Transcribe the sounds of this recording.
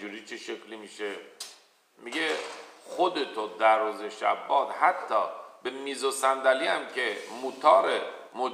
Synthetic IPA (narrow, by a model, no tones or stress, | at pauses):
uːɾiːt͡ʃʰeʃeklimiːʃe | miɡexod̪et̪ʰod̪æɾːuːzeʃæ̰bːɒːd̪hæt̪ʰːɒ̰ːbe̞miːzosænd̪æliæmcʰemut̪ʰɒːɾe | mo